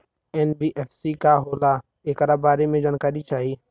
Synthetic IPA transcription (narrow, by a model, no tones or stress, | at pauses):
ɛːnbiʔɛːfʰsikaɦoːla | eːkəɾabaːɾemẽd͡ʒaːnkaːɾit͡ʃaːɦiː